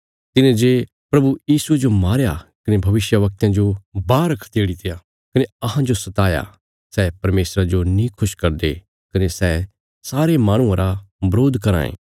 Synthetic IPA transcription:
t̪ɪnẽd͡ʒeː | pɾɐbujiːsued͡ʒomaːɾjakɐnebʱɐʋɪʃjəʋɐk̚t̪ãd͡ʒobaːɾɐkʰt̪eːɽit̪ʰeja | kɐneɐɦãd͡ʒosɐt̪aːja̰ | sɛːpɐɾmeːsɾad͡ʒonĩkʰʊʃkɐɾd̪e | kɐnesɛː | saːɾemaːɽ̃ʊ̃ãɾʔabɐɾoːd̪ʱkɐɾa̰ːḛː

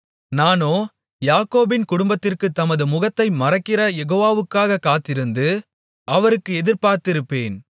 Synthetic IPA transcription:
naːnoː | jaːkoːbɪnkʊɽʊmbɐt̪ːɪrkɯt̪ːɐmɐðɯmʊɣɐt̪ːɐɪmɐrɐkːɪrɐjɛɣoːʋaːʋɯkːaːɣɐkːaːt̪ːɪɾɯnd̪ɯ | ɐʋɐɾɯkːɯɛðɪɾpaːɾt̪ɪɾɯpːeːn

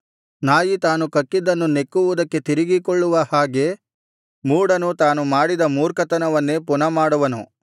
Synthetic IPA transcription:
naːjit̪aːnukɐkːid̪ɐnːune̞kːuʋud̪ɐkːe̞t̪iɾiɡikɔɭːuʋɐhaːɡe̞ | muːɽɐnut̪aːnumaːɽid̪ɐmuːɾkɐt̪ɐnɐʋɐnːepunɐmaːɽuʋɐnṵ

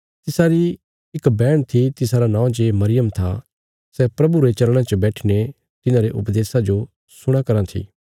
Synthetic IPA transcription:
t̪ɪsaɾi | ɪkbɛːɽ̃t̪ʰit̪ɪsaɾanãːũd͡ʒemɐɾɪjəmt̪ʰa̰ | sɛpɾɐbuɾet͡ʃɐlɽ̃ãt͡ʃəbɛːʈʰine | t̪ɪnãɾeʔʊpd̪eːsad͡ʒo | sʊɽ̃akɐɾãt̪ʰḭː

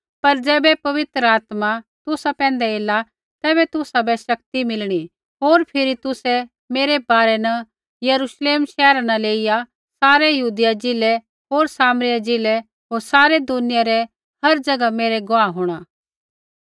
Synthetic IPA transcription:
pɐɾd͡ʒɛːbɛpɐʋɪt̪ɾəaːt̪mat̪ʊsapɛ̃ːnd̪ɛeːla | t̪ɛːbɛt̪ʊsabɛʃɐk̚t̪imɪlɽ̃i | ɦoːɾpʰɪɾit̪ʊsɛ | meːɾebaːɾɛnɐ | jɐɾuːʃleːmʃɛːɾanaleːija | saːɾɛjɐɦuːd̪ɪjad͡ʒɪlɛ | ɦoːɾsaːmɾɪjad͡ʒɪlɛ | ɦoːɾsaːɾed̪ʊnɪjaɾɛ | hɐɾd͡ʒɐɡameːɾɛɡʊaːɦoːɽ̃aː

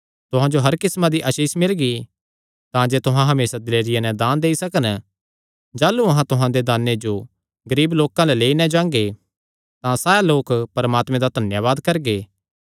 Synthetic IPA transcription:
t̪ʊɦãd͡ʒoɦɐɾkɪsmãd̪iʔɐʃiːsmɪlɡi | t̪ãd͡ʒeːt̪ʊɦãɦɐmeːsad̪ɪleːɾɪjanɛ̃d̪ãːnd̪eːisɐkən | d͡ʒaːluɐɦãt̪ʊɦãd̪ed̪aːnːed͡ʒo | ɡɐɾiːbloːkãlɛleːinɛ̃d͡ʒãːŋɡe | t̪ãsaːjaloːkpɐɾmaːt̪mẽd̪ad̪ʱɐnjaʋaːd̪kɐɾɡeː

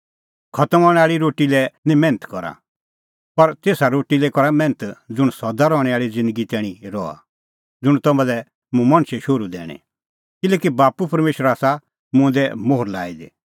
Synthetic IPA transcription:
kʰɐt̪əmɔɽ̃ɛaːɭiɾoːʈilɛnĩmɛ̃ːnət̪kɔɾa̰ | pɐɾt̪eːsaɾoːʈilɛkɔɾamɛ̃ːnət̪d͡zʊɽ̃sɔd̪aɾɔːɽ̃ɛaːɭid͡zɪ̃nd̪əɡit̪ɛːɽ̃ĩɾɔa̰ | d͡zʊɽ̃t̪ɔmãd̪ɛ | mʊ̃mɐ̃ñʃɛʃʊɾud̪ɛ̰ːɽ̃ɛ̰̃ | kɪlɛːkibaːpupɐɾmeːʃəɾaːsa | mʊ̃d̪ɛmoːɦʊɾla̰ːid̪e

